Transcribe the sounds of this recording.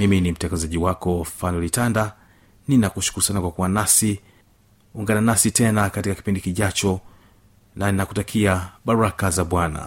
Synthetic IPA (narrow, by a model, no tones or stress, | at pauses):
miminim̩tɛŋɡazaʄiwakɔfanɔlitanda | ninakuʃu̥kuɾusanakwakuwanasi | uŋɡananasitɛnakatikaki̥pindikiʄat͡ʃɔ | naninakutakʰiaɓaɾuɾakazaɓwana̰